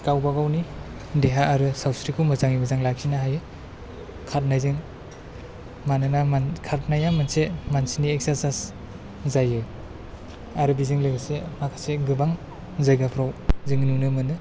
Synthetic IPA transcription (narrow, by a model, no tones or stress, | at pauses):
kawbaɡawni | deɦaːɾɯsawsɾikʰumɯzaŋimɯzaŋlak̚sinaɦajɯ | kʰat̚najzɯŋ | manɯnamakʰaɾt̚najamansemansiniek̚saɾsas | zajɯ | aɾɯbizɯŋlɯɡasemakʰaseɡɯbaŋ | zajɡapʰɾawzɯŋnunɯmɯnɯ